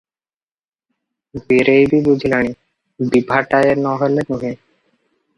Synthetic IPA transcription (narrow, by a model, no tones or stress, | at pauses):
biɾejbibud͡ʑʱilaɽ̃i | bibʱaʈaeɾnɔɦelenuɦe